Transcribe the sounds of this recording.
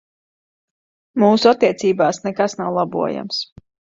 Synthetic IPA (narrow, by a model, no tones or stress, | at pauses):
muːsuat̪ːiɛt̪siːbaːsnɛkasnawlˠabṵɔja̰ms